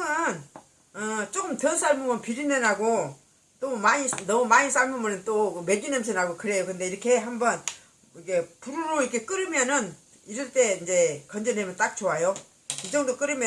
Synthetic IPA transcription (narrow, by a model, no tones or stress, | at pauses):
ʌn | ʌt͡ɕ͈okɯmtʌs͈ʰaɭmumɯnpiɾinenaɡo | t͈omaɲinʌmumaɲisaɭmɯnmunɯnt͈omed͡ʑinemsʰɯnɦaɡokɯɾe̞jokɯnde̞iɾʌkʰe̞ɦambʌn | ikʰepuɾuɾoiɾkʰe̞k͈ɯɾɯmjʌnɯn | iɾɯɭt͈e̞ind͡ʑe̞kʌnd͡ʑenemjʌnt͈ak̚t͡ɕowajo | id͡ʑʌŋdok͈ɯɾɯmjʌ